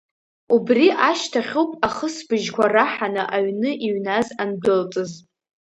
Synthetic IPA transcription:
ubriʔaʃtʰaχʲowpʼaχəsbɨʒkʷaraħanɨʔaɥnɨʔiɥnazandɨlt͡sʼɨz

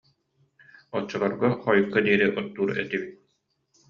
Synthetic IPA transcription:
ɔt͡ɕːɔlaɾɡɔχɔjukːad̪iɛɾiʔɔt̪ːuːɾɛt̪ibit̪̚

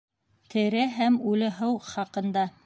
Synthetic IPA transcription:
t̪ʰɘ̆ɾæɦæmʉlɘ̆ɦɤwχɑqɤ̆nd̪ɑ

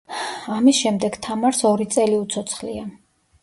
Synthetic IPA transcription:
amisʃɛmd̪ɛɡ̥t̪ʰamaɾsɔɾit̪sʼɛliut̪sʰɔt̪sʰχlḭa

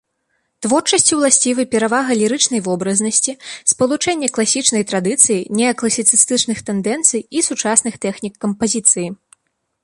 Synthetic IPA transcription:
t̪vɔrt͡ʂɐsʲt͡sʲiwlˠasʲt͡sʲivɨjpʲɛɾavaɣɐlʲiɾɨt͡ʂnɐjvɔbɾɐznɐsʲt͡sʲispɐlˠut͡ʂɛnʲːɐklˠasʲit͡ʂnɐjt̪ɾad̪ɨt̪sɨjinʲɛɐklˠɐsʲit̪sɨst̪ɨt͡ʂnɨxt̪ɛnd̪ɛnt̪sɨjisut͡ʂasnɨxt̪ɛxnʲikːɐmpazʲit̪sɨji

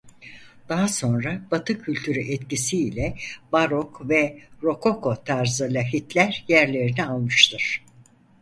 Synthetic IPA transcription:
d̪̥aɦaso̞nɾab̥at̪ʰɯcʰylʲt̪ʰyɾyʔɛt̪cisiːlʲɛbaɾokvɛɾo̞kʰo̞kʰo̞t̪ʰaɾzɯlʲaɦit̪lʲæɾjæɾlʲe̞ɾinialˠmɯʃt̪ʰɯɾ̥

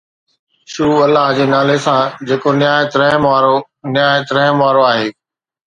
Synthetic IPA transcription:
ʃuːɐlːaɦd͡ʑeːnaːlesãːd͡ʑeːkonjaːjət̪ɾə̃maːɾo | nɪjaːjət̪ɾə̃ɦmʋaːɾoaːɦeː

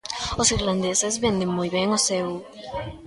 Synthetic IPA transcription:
osiɾlãnd̪esɪzβẽnd̪eŋmojβeŋoseu

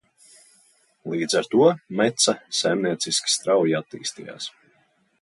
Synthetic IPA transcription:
lˠiːd̪zaɾt̪uɔmɛt̪sasajmniɛt̪siskʲi̥st̪ɾawjiat̪ːḭːst̪ija̰ːs

